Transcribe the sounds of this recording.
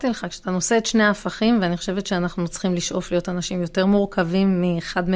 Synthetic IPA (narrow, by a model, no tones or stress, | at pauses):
t̪ileχakʃe̥at̪ano̞se̞ːt̪ʃne̞jaːfaχimveanixoʃe̞vet̪ʃeanaχnut͡sχimliʃʔo̞flijo̞tanaʃimjo̞te̞ʁmuʁkʰavimːiχadme